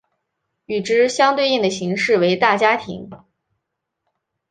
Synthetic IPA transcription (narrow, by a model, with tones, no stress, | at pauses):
y˨˩ʈ͡ʂɻ̩˥ɕjɑ˥ŋt̪we˥˧ɪi˥˩ŋd̪ə˩ɕi˧˥ŋʂɻ̩˥˩we˧˥ɪt̪a˥˩t͡ɕja˥t̪ʰḭ˧˥ŋ